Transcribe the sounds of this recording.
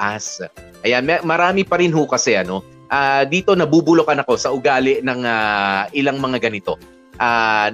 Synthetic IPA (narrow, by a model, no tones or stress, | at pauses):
ʔasʔɐjanmɛmɐɾaːmɪpɐɾɪnhukɐsɛʔɐno̞ | ʔaːd̪iːt̪o̞nɐbuːbʊlokɐnɐko̞sɐʔʊɡaːlɪʔnɐŋaʔɪlaŋmɐŋaɡɐnɪt̪o̞ | ʔaː